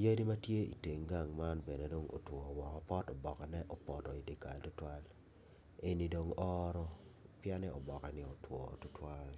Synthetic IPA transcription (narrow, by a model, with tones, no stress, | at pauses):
je˦di˦ma˦tje˦ḭ˨te˨ŋɡa˨ŋma˦nbe˨ne˨do˦ŋo̰˨twɔ˨wɔ˨kɔ˨pɔ˦tɔ˨bɔ˨kɛ˨nɛ˦ʔɔ˦pɔ˨tɔ˨i˨dɪ˨ka˨ltʊ˦twa˦l | e˦˨ni˨do˨ŋɔ˦ɾɔ˦pja˦nɛ˦ɔ˨bɔ˨kɛ˨nɪ˦o˨twɔ̰˨tʊ˦twa˦l